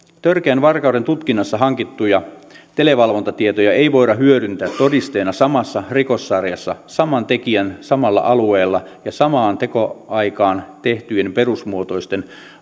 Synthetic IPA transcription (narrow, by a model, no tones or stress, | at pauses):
t̪ørkeænʋɑrkɑuwde̞nt̪ut̪kinːɑsːɑɦɑŋkit̪ːujɑt̪e̞le̞ʋɑlʋo̞nt̪ɑt̪iet̪ojɑejʋo̞iɾɑɦyøɾynt̪æːt̪tːo̞dist̪eːnɑsɑmɑsːɑriko̞sːɑrjɑsːɑsɑmɑnt̪e̞kiænsɑmɑlːɑ̰ʔɑlue̞ːlːɑjɑsɑmɑːnt̪e̞ko̞ɑikɑːnt̪eht̪yjenpe̞rusmuot̪o̞ist̪e̞n